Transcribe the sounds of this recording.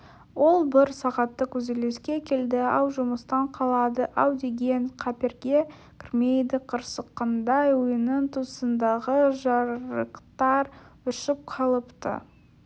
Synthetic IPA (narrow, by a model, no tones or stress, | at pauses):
wo̞lˠbɪɾsɑʁɑt̪ːəkʲʰɵzele̞skʲe̞kʲʰe̞ld̪ɪɑwʒʊməst̪ɑɴqʰɑlˠɑd̪əʔɑwd̪e̞ɡʲe̞nqʰɑpeɾɡʲe | kʲʰrmʲe̞jd̪ɪqʰəɾsəqːɑnd̪ɑjwʊjənəɴt̪ʰusənd̪ɑʁəʒɑɾɾəqt̪ɑɾʏʃɪp̚qʰɑlˠəpt̪ə̰